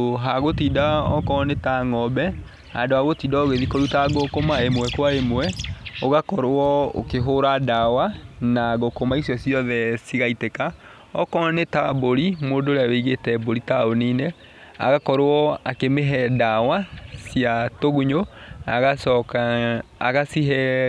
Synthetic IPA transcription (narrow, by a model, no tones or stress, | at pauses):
ɦaɣotidaɔ̰kɔnetaŋɔbɛ | a̰ndoaɣotiːdaoɣeðikɔɾutaɣokomaemwɛkwaemwɛoɣakɔɾwɔo̰keɦoɾadawanaɣokomaisjɔsjɔðɛsiɣaiteka | ɔkɔnetaboɾimoːdoːɾeaweiɣetɛboɾitaonine | a̰ɣakɔɾowɔakemeɦɛdawasjatoɣuɲoaɣasɔkaːɣasiɦɛ